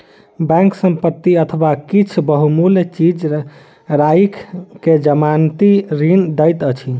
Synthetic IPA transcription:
bɛ̃ŋksəmpət̪ːiət̪ʰəbakit͡ʃʰbəɦumuljt͡ʃid͡ʒ | ɾajkʰked͡ʒəmant̪iɾind̪əjt̪ət͡ʃʰi

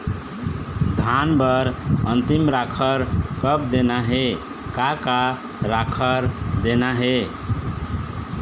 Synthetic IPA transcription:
d̪ʱanbəɾə̰nt̪imɾakʰəɾkəp̚d̪enaɦe | kaka | ɾakʰəɾd̪enaɦe

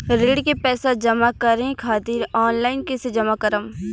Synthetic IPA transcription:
ɾeːɽkepɛːsad͡ʒɐmakɐɾẽkʰaːt̪iːɾɔːnlaːɪnkesed͡ʒɐmakəɾəm

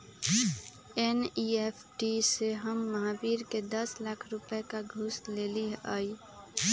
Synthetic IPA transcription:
eniepʰʈiseɦəmːəɦabiɾked̪əslakʰɾupekaɡʱusleliɦəj

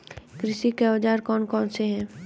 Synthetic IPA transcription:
kɾɪʃikeəd͡ʒaːɾkɔːnkɔːnseɦɛ̃ː

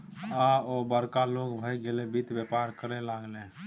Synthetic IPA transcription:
aoːbəɾkaloːɡbʱəjɡelebit̪wepaːɾkəɾelaːɡlẽː

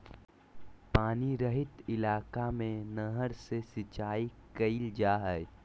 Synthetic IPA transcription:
paːniɾəɦɪt̪ɪlaːkamẽnəɦəɾsesɪt͡ʃaːikəild͡ʒaːɦɛj

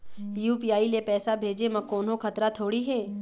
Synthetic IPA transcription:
juːpiːaːilepɛːsabʱeːd͡ʒemɐ̃koːnɦõkʰɐt̪ɾat̪ʰoːɽiɦɛː

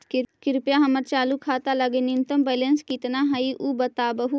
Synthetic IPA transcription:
kɪɾpjaːɦəməɾt͡ʃaːlukʰaːt̪aːləɡenɪnt̪əmbɛːlenskiːt̪naːɦəiʔubət̪aːbəɦu

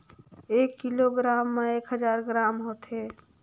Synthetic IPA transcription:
ekːiloɡɾamːeekɦəd͡ʒaɾɡɾamɦot̪ɦe

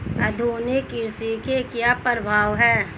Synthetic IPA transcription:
ɐd̪ʱuːnɪkɪɾsikekjapəɾəbʱaːʋɦɛː

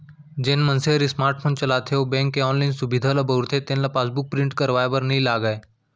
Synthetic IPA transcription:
d͡ʑenmənseɾismaɾʈfʰoːnt͡ɕɐlat̪ʰewbɛ̃ŋkeɔnlainsubid̪ʱalabəɾt̪ʰet̪ẽnlapasbuk̚pɾiɳʈkəɾʋajbəɾniːlaɡaj

